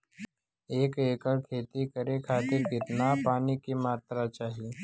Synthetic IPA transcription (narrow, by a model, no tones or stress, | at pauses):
eːkeːkəkʰeːt̪ikəɾekʰaːt̪iːɾɡɪt̪napaːnikemaːt̪ɾat͡ʃaːɦi